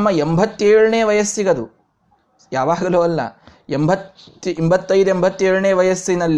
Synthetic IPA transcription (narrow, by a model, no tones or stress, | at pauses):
mːɐembʱɐt̪ːeːɻɐɳeːʋɐjɐsːiɡɐd̪u | jaːʋaːɡɐloːɐlːɐ̰ | embʱɐt̪ːiembʱɐt̪ːɐjd̪uembʱɐt̪ːeːɻɐɳeːʋɐjɐsːinɐlː